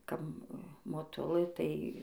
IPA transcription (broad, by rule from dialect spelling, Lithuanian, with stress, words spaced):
ˈkɐp moːˈtʊlˠɘ ˈtɐɪ